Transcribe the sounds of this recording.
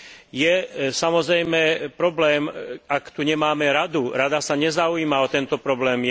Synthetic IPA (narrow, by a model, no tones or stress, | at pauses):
jɛsamɔzɾɛjmɛpɾɔblɛːmakt̪uɲɛmaːmɛɾad̪uɾad̪asaɲɛzauiːmaɔt̪ɛnt̪ɔpɾɔblɛːm